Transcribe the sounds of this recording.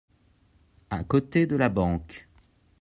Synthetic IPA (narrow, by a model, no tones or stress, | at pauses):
akot̪ed̪əlabɑ̃k